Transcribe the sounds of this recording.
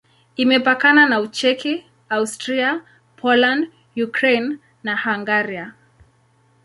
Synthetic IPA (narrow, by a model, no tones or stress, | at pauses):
imɛpakananaut͡ʃɛki | austɾia | pʰɔland | jukɾejnː | ahaŋɡaɾia